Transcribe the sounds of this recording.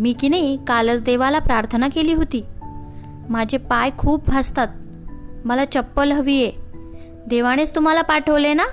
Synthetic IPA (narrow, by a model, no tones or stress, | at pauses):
miːkineikalət͡sd̪eʋalapɾaɾt̪ʰənakeliːɦot̪iː | mad͡ʑʱepajkʰuːp̚bʱast̪at̪̚ | məlat͡ɕəpːəlɦəʋiːje | d̪eʋaɽ̃est̪um̤alapaʈʰəʋlena